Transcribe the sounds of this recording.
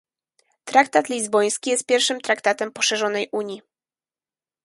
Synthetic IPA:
t̪ɾak̚t̪at̪lʲizbɔj̃skʲijɛst̪̚pʲjɛɾfʂɘmt̪ɾakt̪at̪ɛmpɔʂɛʐɔnɛjʔuɲji

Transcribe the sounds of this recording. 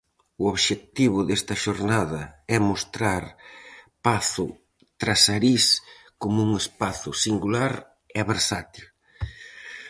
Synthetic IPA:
ʊoβʃet̪iβʊðest̪ɐʃoɾnaðɐɛmost̪ɾaɾpaθʊ | t̪ɾasaɾis | komuŋespaθʊsiŋɡulaɾ | ɛβeɾsat̪il

